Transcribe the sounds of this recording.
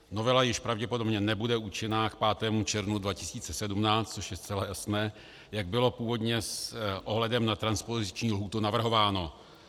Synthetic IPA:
no̞vɛlajɪʃpɾavɟɛpo̞dobɲɛnɛbudɛuːt͡ʃɪnaːkpaːt̪ɛːmut͡ʃɛɾvnudvacɪsiːt͡sɛsɛdumnaːt͡st̪t͡soʃjɛst͡sɛlajasnɛː | jaɡ̚bɪlo̞puːvo̞dɲɛsʔoɦlɛdɛmnat̪ɾanspozɪt͡ʃɲiːlɦuːt̪unavr̩ɦo̞vaːno̞

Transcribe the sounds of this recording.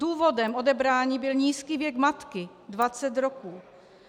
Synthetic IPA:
uːvodɛmo̞dɛbɾaːɲiːbɪlɲiːskiːvjɛkmat̪kɪ | dvat͡sɛt̪ɾokuː

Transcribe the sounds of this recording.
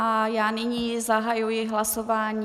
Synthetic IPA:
ajaːnɪɲizaɦajujɪɦlasovaːɲi

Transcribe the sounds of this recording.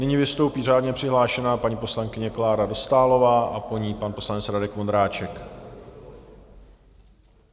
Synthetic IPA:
nɪɲɪvɪst̪o̞wpiːr̝aːdɲɛpr̝̥ɪɦlaːʃɛnaːpaɲipo̞slaŋkɪɲɛklaːɾado̞st̪aːlo̞vaːʔapo̞ɲiːpanpo̞slanɛt͡sɾadɛkvo̞nd̪ɾaːt͡ʃɛk

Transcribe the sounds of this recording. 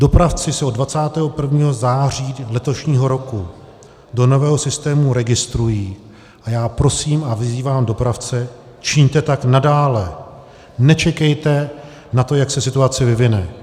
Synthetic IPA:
do̞pɾaft͡sɪsɛodvat͡saːt̪ɛːɦo̞pr̩vɲiːɦo̞zaːriːlɛt̪o̞ʃɲiːɦo̞ɾo̞ku | do̞no̞vɛːɦo̞sɪst̪ɛːmuɾɛɡɪst̪ɾujiː | ʔajaːpɾo̞siːmavɪziːvaːmdo̞pɾaft͡sɛ | t͡ʃɪɲt̪ɛt̪aknadaːlɛ | nɛt͡ʃɛkɛjt̪ɛ | nat̪o̞jaksɛsɪt̪uat͡sɪvɪvɪnɛ

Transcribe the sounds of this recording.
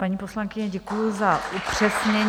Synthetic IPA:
paɲiːpo̞slaŋkɪɲɛɟɛkujuzaʔupr̥ɛsɲɛɲ

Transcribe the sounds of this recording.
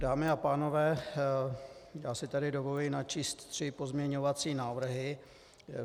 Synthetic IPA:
daːmɪapaːno̞vɛː | jaːsɪt̪adɪdo̞volinat͡ʃiːst̪t̪r̝̥ɪpo̞zmɲɛɲo̞vat͡siːnaːvr̩ɦɪ

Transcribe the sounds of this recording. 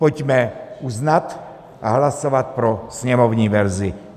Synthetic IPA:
pocmɛuznat̪ | ʔa̰ɦlasovat̪̚pɾosɲɛmovɲiːvɛɾzɪ

